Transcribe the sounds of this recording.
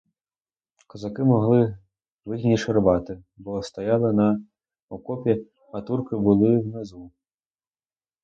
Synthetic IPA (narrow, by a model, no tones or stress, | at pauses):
kɐzakɨmɔɣlˠɨ | vɨɣnʲiʃɐrbat̪ɨbɔst̪ajalˠɨnɐ | ɔkɔpʲi | ɐt̪urkɨbɨlˠɨwnɛzu